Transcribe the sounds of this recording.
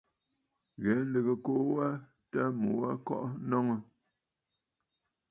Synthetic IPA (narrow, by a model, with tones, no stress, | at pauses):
ɣɛ˨˦n̩˦lə˨ɣə˨ko˦ʔwa˦ | ta˦mo˨wa˦kɔ̰˦ʔnɔ˦ŋə˨